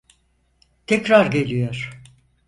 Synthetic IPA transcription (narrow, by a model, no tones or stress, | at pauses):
t̪ʰɛcɾaɾɟe̞lʲijoɾ̥